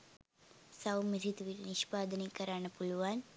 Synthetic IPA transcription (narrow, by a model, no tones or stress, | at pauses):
sɐwmiɾit̪ʋiɾniʃpaːd̪ɐnikɐɾaːɳɐpuluʋaːn